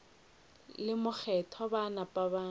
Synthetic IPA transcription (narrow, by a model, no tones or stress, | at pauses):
lɪmʊk͡xʰɛtʰɔbanapʼabaː